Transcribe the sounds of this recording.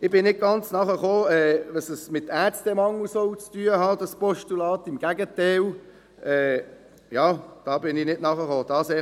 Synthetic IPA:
ɪb̥ɪnnɪd̚ɡ̥ɑnt͡snɑχəχoːɛːʋɛsəsmɪt̪ːæstɛmɑŋːusoʊt͡styːəhɑːdɑspɔʃtulɑːtɪmɡ̥æɡətɛɪl | ʔɛː | jɑːd̥ɑːbɪnɪnɪdnɑχəχoːd̥ɑːsɛ

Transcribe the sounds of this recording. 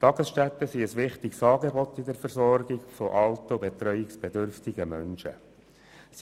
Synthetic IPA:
t̪ɑɡ̥əsʃtæt̪ːəsiəsʋɪχt̪ɪksɑːɡebɔt̪ːidəɾfəɾzɔɾɡɪɡfoʔɑlt̪əbet̪ɾœʏɪksb̥ed̪ʏɾftɪɡəmœnʃə̰ | s

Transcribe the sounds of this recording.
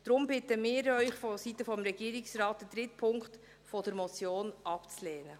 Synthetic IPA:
d̥ɾʊmbɪt̪əmɪːɾœʏχfɔsit̪əfɔmɾɛɡ̥iːɾɪksrɑːt̚ːəd̪ɾɪtpʰʊŋkχt | fɔdəɾmɔt͡sjoːnʔɑpt͡sleːnə

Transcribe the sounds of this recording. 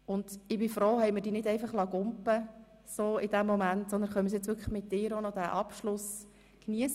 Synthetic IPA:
ʊnd̪̥ɪbɪfɾoːhɛjməɾdiːnɪdɛɪfɑχlɑɡʊmpə | soːɪd̪æmːɔmæntsɔnd̪ənχœməsɛt͡sʋʏɾkʰəχmɪt̚dɪːɾonɔd̥æʔɑpʃlʊs | kniəs

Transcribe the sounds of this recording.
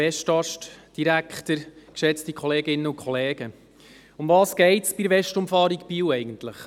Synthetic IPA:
ɛʃtɑʃtd̥iɾækχtəɾkʃɛt͡stikʰχɔleːɡɪnːəʊnkʰχɔlɛːɡə | ʊmvɑːsɡ̥ɛɪtsb̥iɾʋɛʃtʊmfɑːɾikpiːwɛɪɡən̩tləχ

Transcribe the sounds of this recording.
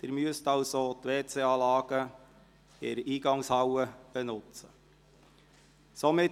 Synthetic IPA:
d̪̥ɪːɾmyəst̪ɑwsot̪ʋeːt͡seɑːlɑːɡ̥ə | ɪɾiːɡɑŋshɑwəb̥ɛnʊt͡sə | somɪ

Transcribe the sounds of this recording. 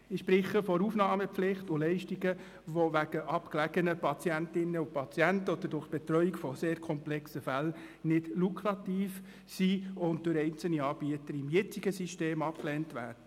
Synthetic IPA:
ɪʃpɾɪχəfɔɾufnɑːməpflɪχtʊlɛɪʃtiɡə | ʋoʋæɡ̥əʔɑpklæɡənəpʰɑt͡siæntɪnːəʊpʰɑt͡siæntəɔd̥̪əɾdʊɾχt̚b̥ɛt̪rœʏikfɔseːɾkʰɔmplɛksəfæl | nɪd̥lukʰrɑtiːf | siʊnt̚d̥ʊɾɛɪnt͡sl̩niɑːb̥iətəɾɪmjɛt͡siɡəsiʃteːmɑp̚klɛːntʋæ̰ːd̥ə

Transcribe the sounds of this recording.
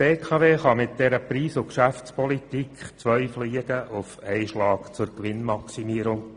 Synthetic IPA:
eːkʰɑʋeːχɑmɪt̪̚d̥ɛɾəpɾiːsʊkʃæft͡spʰɔlit̪ikχt͡sʋœʏfliːəɡ̥əʔʊfɛɪʃlɑːkt͡sʊɾkʋɪnmɑksimiəɾʊŋ

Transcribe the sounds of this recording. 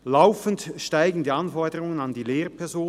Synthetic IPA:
laʊfən̩tʃtaɪɡn̩diːɑnfɔɐdəʁʊŋənɑndiːleːʁpʰɛʁzoː

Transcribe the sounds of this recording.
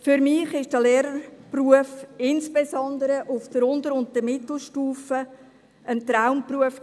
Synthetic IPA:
fʏɾmɪːχɪʃd̥əleːɾəɾpruəfɪnsbesɔnd̪əɾəʔʊfd̥əɾʊndəɾʊnt̚dəmɪt̪l̩ˠʃtuːfə | ənt̪ɾaʊmpruəf

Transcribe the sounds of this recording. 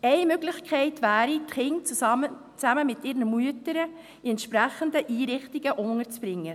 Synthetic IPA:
ɛɪmøɡlɪçkʰɛɪtʋæːɾitχɪŋt͡su | t͡sæməmɪtɪːɾnəmuətəɾə | iɛnt̪ʃpɾæχənd̪əʔiːɾɪχtiɡəʔʊŋəɾt͡sb̥ɾɪŋːə

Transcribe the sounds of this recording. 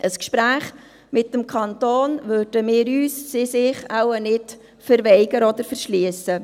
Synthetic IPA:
ʔəskʃpɾæːχ | mɪt̚ːəmkʰɑntoːnvørd̥əmɪːɾyːsːɪsɪχawənɪt | fəɾʋɛɪɡəɾɔd̪əɾfəɾʃliːəsə

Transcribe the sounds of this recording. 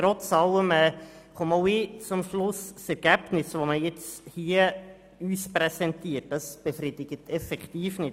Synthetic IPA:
tɾɔt͡sɑləmɛːχumoʊiːt͡sʊmʃlʊssɛɾɡ̥æb̥nɪsʋoməjɛt͡shiə | yːspɾɛsɛntiət̚d̥ɑsb̥efɾidɪɡ̥ətʰɛfɛktiːfnɪt

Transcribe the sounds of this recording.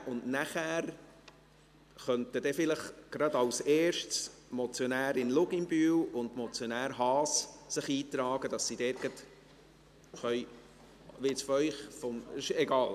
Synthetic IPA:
ʔʊndnæχæːɾ | χœnt̪əd̥ɛfɪləχɡ̥ɾɑd̪ɑwsɛːɾʃts | mɔt͡sjonæːɾɪnlʊɡɪmbyːwʊnd̪mɔt͡sjonæːɾɦɑːssɪχiːt̪ɾɑːɡ̥əd̥ɑsːid̥ɛɾɡɑt̪ | χœj | ʋɪt͡sfœjχfɔmɪʃɛɡɑːl

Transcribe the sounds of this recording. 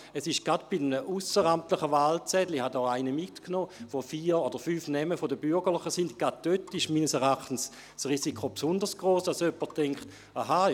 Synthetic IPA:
ɛsɪʃɡ̥ad̥b̥idmnəʔusəʁamtləχəvaːlt͡sɛd̥lihadɔːaɪnəmitknoːʋofiːodəfyːfnɛməfodəbyɐɡəʁlˠɪχəsindɡ̥ad̚d̥øtːɪʃmiːnəsɛʁaχtən̩s | sʁiːsikʰopsʊndəsɡ̥ʁoːsd̥asøpətʰːɛŋkχt | aɦa

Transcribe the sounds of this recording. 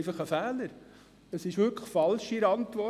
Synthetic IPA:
fɑχəfæːləɾ | əsɪʃʋʏɾkʰə̥fɑlʃiɾɑntʋɔ

